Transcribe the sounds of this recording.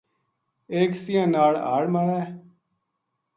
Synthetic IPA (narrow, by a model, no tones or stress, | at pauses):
eːksijãːnaːɭa̰ːɽmaːɽɛː